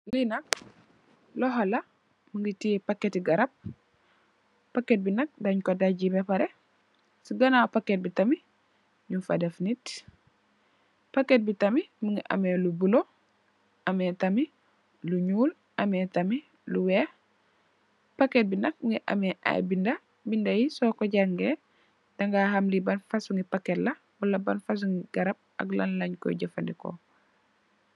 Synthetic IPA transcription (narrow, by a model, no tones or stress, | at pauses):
linɐk̚ | lɔɦɔla | məŋɡitipakːetiɡɐɾɐb̚ | akːet̚binɐk̚daɲkodaɟibepaɾe | siɡɐnapaket̚bitɐmi | ɲufa̰defnit | pakːet̚bitamiməŋɡiʔa̰melubulo | ʔɐmɛtɐmi | luɲuːl | ʔɐmɛtɐmi | luwɛː | pakebinɐk̚ŋɡiʔɐ̰mɛʔa̰jbindɐ | bindɐjisɔkɔɟaŋɡe | d̥ɐŋɡaːɦɐmlibɐnfɐsuŋɡipaketlɐ | wɐlɐbɐnfɐs̬uŋɡiɡ̥ɐɾɐb̚ɐ̰ɡlɐ̰nlɐɲkɔ̰jiɟɐfɐ̰ndiko̰